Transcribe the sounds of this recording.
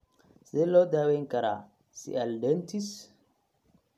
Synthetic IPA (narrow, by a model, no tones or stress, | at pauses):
selod̪aweŋkɐɾa | sḭʔɐldent̪is